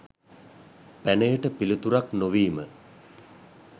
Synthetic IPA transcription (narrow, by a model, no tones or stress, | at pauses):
pænəjəʈəpilit̪uɾaknoʋiːmə